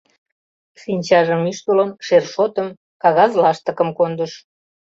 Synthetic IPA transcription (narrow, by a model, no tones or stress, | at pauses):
sinʲt͡ɕɑʒə̆myʃt̪oləmʃerʃot̪əm | kɑɣɑzlɑʃt̪ə̆kə̆mkond̪əʃ